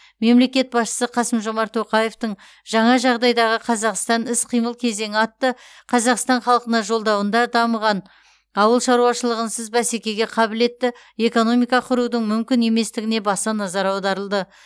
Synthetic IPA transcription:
me̞mle̞kʲe̞t̪̚bɑsʃə̥səqʰɑsəmʒo̞mɑɾt̪ʰːo̞qɑje̞ft̪əɴ | ʒɑɴɑʒɑʁd̪ɑjd̪ɑʁəqʰɑzɑqst̪ɑnɪsqʰijməlˠkʲʰe̞ze̞ŋɪɑt̪ːə | qʰɑzɑqst̪ɑɴχɑlˠqənɑʒo̞lˠd̪ɑwənd̪ɑd̪ɑməʁɑn | ɑwəlˠʃɑɾuɑʃəlˠəʁənsəzbæsekʲe̞ɡʲe̞qʰɑbɪle̞t̪ːɪ | e̞ko̞no̞mijkɑqʰʊɾud̪əŋmʏmkʲɪne̞me̞st̪ɪɡʲɪne̞bɑsɑnɑzɑɾɑwd̪ɑɾəlˠd̪ə

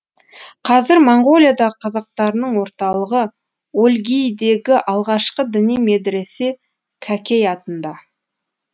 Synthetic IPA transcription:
qʰɑzɪɾmoɴɡo̞lʲijad̪ɑəqʰɑzɑq̚t̪ɑɾənəɴwo̞ɾt̪ɑlˠəʁə | olʲɡʲijd̪e̞ɡʲɪʔɑlˠʁɑʃqəd̪ɪnijme̞d̪ɾe̞se | kʲʰækʲe̞jɑt̪ənd̪ɑ

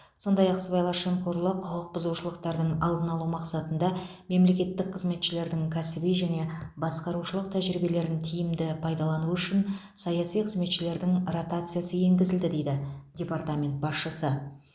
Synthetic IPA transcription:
so̞nd̪ɑjɑqsəbɑjlˠɑɾʃemkʰoɾlˠəqʰʊlˠəq̚b̥ʊzuʃəlˠəqt̪ɑɾd̪əɴɑlˠd̪ənɑlˠumɑqsɑt̪ənd̪ɑ | me̞mle̞kʲe̞t̪ːɪk̚qʰəzme̞t̪ʃɪle̞ɾd̪ɪŋkʲʰæsɪbiʒæne̞bɑsqɑɾuʃəlˠəq̚t̪ʰæʒɾibe̞le̞ɾɪnt̪ʰijɪmd̪ɪpʰɑjd̪ɑlˠɑnuʏʃɪnsɑjɑsijqʰəzme̞t̪ʃɪle̞ɾd̪ɪŋrot̪at̪sɨjasəje̞ŋɡʲɪzɪld̪ɪd̪e̞jd̪ɪdʲe̞part̪amʲe̞nt̪̚bɑsʃəsə

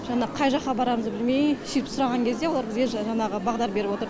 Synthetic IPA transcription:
ʒɑɴɑqʰɑjʒɑqːɑbɑɾɑməzbɪlme̞j̪ʃiɾɪpsʊɾɑʁɑŋkʲʰe̞zd̪e̞woɑɾbɪzɡʲeʒɑɴɑʁəbɑʁd̪ɑɾbe̞ɾɪpwo̞t̪əɾ

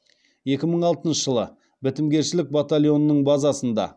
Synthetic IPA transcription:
je̞kʲɪməɴɑlˠt̪ənʃəʒəlˠə̰ | bɪt̪ɪmɡʲe̞ɾʃɪlɪk̚bat̪alʲjo̞nːəɴbɑzɑsənd̪ɑ̰

